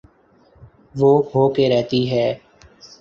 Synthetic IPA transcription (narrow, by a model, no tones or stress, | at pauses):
ʋoːɦoːkeːɾɛɦt̪iːɦɛː